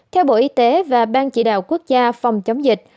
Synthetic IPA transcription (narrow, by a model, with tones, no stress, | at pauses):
t̪ʰɛ˧wɓo̰˧˩ʔi˧˦t̪e˨˦vaː˨˩ɓaː˧nt͡ɕḭ˧˩ɗa̰ː˧˨wku˦˥ək̚zaː˧fa˨˩wŋ͡mt͡ɕə˨˦wŋ͡mzï˨˩k̟̚